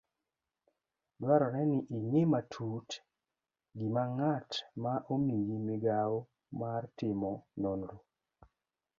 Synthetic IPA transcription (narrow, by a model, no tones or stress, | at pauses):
dwaɾɔnɛniʔiŋematʰut | ɡimaŋatmaʔomiɡimɪɡao | martɪmɔnonɾo